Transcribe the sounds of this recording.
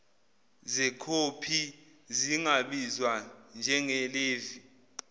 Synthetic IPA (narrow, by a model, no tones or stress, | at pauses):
zɛkʰopʰi | ziŋaɓizwand͡ʒʱɛŋɛleːvi